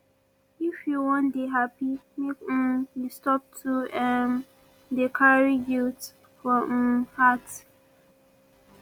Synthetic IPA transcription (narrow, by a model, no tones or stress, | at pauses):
ifjuwɔ̃ndeɦapimek̩jistɔp̚tʰuɛm | dekʰaɹiɡilt | fɔhat